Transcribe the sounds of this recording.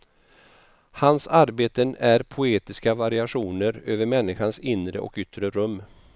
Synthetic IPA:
hansaɾbeːt̪ənæɾpʰʊeːt̪ɪskavaɾɪaɧuːnəɾøːvəɾmɛnːɪɧansɪnɾə̰ʔɔ̰kʏt̪ɾəɾɵmː

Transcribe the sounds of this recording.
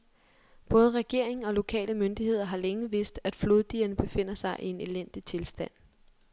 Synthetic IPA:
b̥ɔ̽ːð̞ˠʁɛɡ̥e̝ɐ̰e̝ŋ̩ɒ̽lo̝kʰɛ̰ːləmønd̥ihe̝ð̞̰ˠɐɦɑ̈leŋəʋe̝sd̥æd̥floðˠd̥iːɐnəb̥e̝fe̝n̰ɐsɑ̈ɪʔie̝ne̝len̰d̥it͡sʰe̝lsd̥æn̰

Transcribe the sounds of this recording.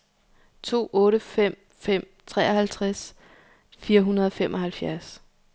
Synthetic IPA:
t͡sʰo̝̰ːʔɔ̽ːɾəfem̰ | fem̰ | t͡sʰʁɛ̰ːɐhælt͡sʰʁas | fiːɐɦunɐð̞ˠɒ̽fem̰ʔɒ̽ɦælfjæɐs

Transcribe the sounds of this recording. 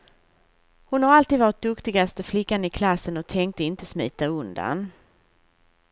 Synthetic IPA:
hʊnhaɾalt̪iːd̪vɑːɾɪt̪̚d̪ɵkt̪ɪɡast̪əflɪkːanɪkʰlasːənɔt̪ʰɛŋk̚t̪əɪnt̪əsmḭːt̪aɵnd̪a̰n

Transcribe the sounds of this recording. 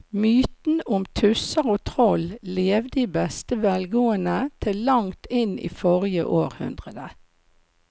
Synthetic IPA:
myːt̪n̩ʊmt̪ʰʉsəʁoːt̪ʰʁɔlleːʋd̪iːbɛst̪əʋɛlɡuːənət̪ʰɪlːɑŋt̪ʰɪnḭːfɔʁjə̰ʔoːʁhʉ̰nd̪ʁəd̪ə

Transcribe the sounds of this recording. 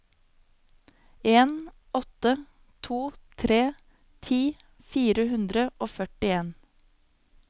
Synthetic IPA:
eːn | ɔt̪ə | t̪ʰuːt̪ʰɾeː | t̪ʰiː | fiːɾəhʉnd̪ɾəʔoːfœʈɪeːn

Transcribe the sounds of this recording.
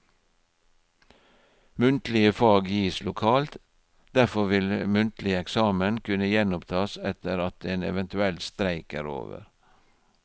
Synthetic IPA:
mʉnt̪l̩ɪəfɑːɡjiːslʊkʰɑːlt̪ | d̪æfɔʋɪlmʉnt̪lɪəɛksɑːmənkʰʉnəjɛnʊpt̪ʰɑːsɛt̪əɾɑt̪̚eːnɛ̰ʋɛnt̪ʉɛlt̪st̪ɾæɪkəɾo̰ːʋə̰ɾ

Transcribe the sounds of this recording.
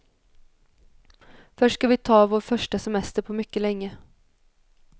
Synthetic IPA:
fœʂskɑʋɪt̪ʰɑːvoːɾfœʂʈəsɛmɛst̪əɾpʰoːmʏkːəlɛŋːə

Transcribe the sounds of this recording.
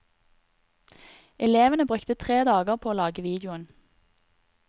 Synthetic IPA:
ʔɛleːʋənəbʁʉkt̪ət̪ʰʁeːd̪ɑːɡəʁpʰoːoːlɑːɡəʋiːd̪jʊən

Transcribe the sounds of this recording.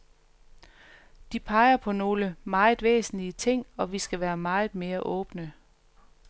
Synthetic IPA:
d̥ipʰɑ̈ɪɐpʰɒ̽no̝ːləmɑ̈ːɪð̩ˠʋḛːsn̩liət͡sʰe̝ŋ̰ɒ̽ʋisɡ̥æʋæːɐmɑ̈ɪð̞̩ˠme̝ːɐʔɔ̽ːb̥nə

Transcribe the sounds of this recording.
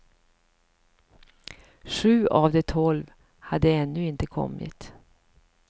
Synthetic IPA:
ʂʉ̟ːʔaːvd̪ɛt̪ʰɔlv | had̪əɛnːɵɪnt̪əkʰɔ̰mːɪ̰t̪

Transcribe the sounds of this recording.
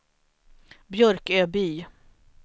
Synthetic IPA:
bjœɾkøːbyː

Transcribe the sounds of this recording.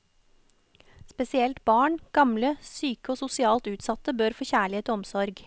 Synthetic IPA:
spɛsɪɛlt̪bɑːɳɡ̥ɑmləsyːkəoːsʊsɪɑːlt̪ʉːt̪sɑt̪əbøːɾfoːçæːɭɪeːt̪oːɔmsɔɾɡ

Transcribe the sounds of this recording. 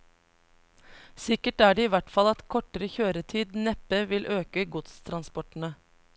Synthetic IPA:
sɪkəʈæːɖeːiːʋæʈfɑlɑt̪kʰɔʈəɾəçøːɾət̪ʰiːd̪nɛpəʋɪlʔøːkəɡʊt̪st̪ʰɾɑnspɔʈɳ̩ə

